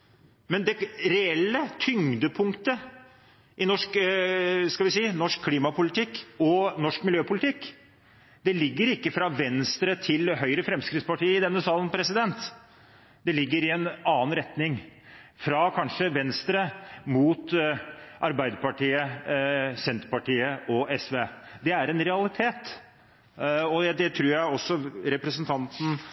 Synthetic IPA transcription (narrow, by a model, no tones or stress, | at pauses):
mɛnd̪ɛɾɛɛlːət̪ʰʏŋd̪əpʰʊŋkt̪ə | ʔɪnɔʂk | skɑlʋɪsiːnɔʂkʰːliːmɑpʊlɪt̪ʰɪkːɔnɔʂkmɪljøːpʊlɪt̪ʰɪkː | d̪ɛlɪɡːəɾɪkːəfɾɑʋɛnst̪ɾət̪ʰɪlɦœʏɾəfɾɛmskɾɪt̪spɑʈiːəɪd̪ɛnːəsɑːlənpʰɾɛsɪd̪ɛnt̪ | d̪̥ɛlɪɡːəɾɪɛnɑːənɾɛt̪nɪŋ | fɾɑkʰɑnʂəʋɛnst̪ɾəmuːt̪ | ʔɑɾbæɪd̪əɾpɑʈiːə | sɛnt̪əɾpɑʈiːəʔɔɛsʋeːd̪ɛæɾɛnɾɛɑlɪt̪ʰeːt̪ | ɔd̪ɛt̪ʰɾuːɾjæɪɔsːɔɾɛpɾəsənt̪ʰɑnt̪n̩